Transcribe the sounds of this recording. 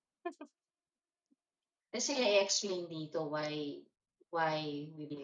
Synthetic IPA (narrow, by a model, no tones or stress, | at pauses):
t̪ɛsɛjɐʔɛɛksplẽjnd̪iːt̪owaj | wajwib